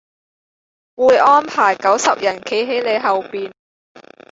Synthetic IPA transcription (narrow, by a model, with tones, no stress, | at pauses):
wuː˨˧jʔɔː˥npʰaː˨˩jkɐ˨˥wsɐ˨p̚jɐ˨˩nkʰe˨˥jɦe˨˥jle˨˧jɦɐ˨wpiː˨n